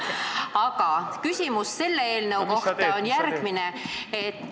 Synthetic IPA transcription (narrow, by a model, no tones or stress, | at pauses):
ɑɡɑkysʲimusse̞lːeeːlnewko̞ht̪ɑonjærɡ̥mineet̪ː